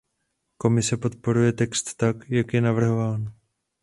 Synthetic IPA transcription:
ko̞mɪsɛpo̞t̪̚po̞ɾujɛt̪ɛkst̪ːakjakjɛnavr̩ɦo̞vaːn

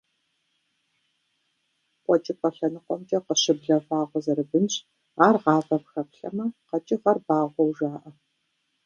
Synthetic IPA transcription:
qʷʼɔt͡ʃʼɪpɐɬɐnɨqʷɔmtʰʼɐqəɕɪbɮɐfaːʁʷɔzɐɾɨbɨnɕʼ | aːrʁɑːvɐpxɐpɬɐ̰mɐqɐt͡ʃʼɪʁɐrbaːʁʷɔwʒaːʔɐ

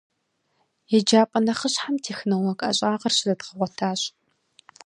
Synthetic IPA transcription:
jɛd͡ʒaːpʼɐnɐχəɕħamtʰeːxnɐwɐkʼɐ̰ɕʼaːʁɐrɕɪzɐdʁəʁʷɔtʰaːɕʼ

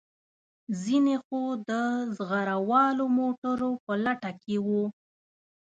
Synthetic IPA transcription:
zinexod̪əzɣaɾawɑlomoʈaɾopəlaʈakewu

